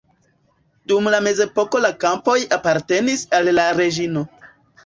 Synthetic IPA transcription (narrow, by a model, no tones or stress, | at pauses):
dumlame̞ze̞po̞ko̞lakampo̞japaɾte̞nisalːaɾe̞d͡ʒino̞